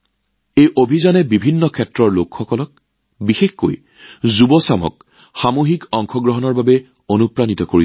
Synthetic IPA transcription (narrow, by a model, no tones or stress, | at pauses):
ejʔobʱizanɛbibʱinːɔkʰɛtɹɔɹlokxɔkɔlɔk̚ | bixexkːo̰j | zubɔsamɔ̰k̚ | xamoɦikɔŋkʰɔɡɹɔɦɔnɔɹbabɛ | onupɹanitɔkoɹi